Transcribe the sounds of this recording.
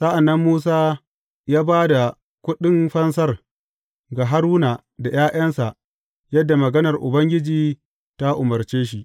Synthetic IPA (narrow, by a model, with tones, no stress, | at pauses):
sɐ˦ʔa˨nːɐ˦mːuː˦saː˦ | jaː˦baː˦da˨ | kʷʊ˦ɗɪ˦mɸɐ˦ns̬ɐ˦r | ɡa˨ɦa˦ɾuː˦na˨ | da˨jaː˦ʔɐ˦nsa˨ʔ | jɐ˦dːa˨mɐ˨ɡɐ˦nɐ˨rʔʊ̰˨bɐ˦ŋɡʲɪ˦d͡ʒiː˨ | ta˦ʔʊ˨mɐ˨rt͡ʃeː˦ʃ̬i˦˨ʔ